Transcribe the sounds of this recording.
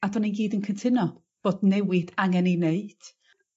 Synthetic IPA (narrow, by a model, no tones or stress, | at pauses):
adɔninɡiːdənkʰəntʰɪnɔ | v̥oːdnɛwɪdaŋɛnineɨd̥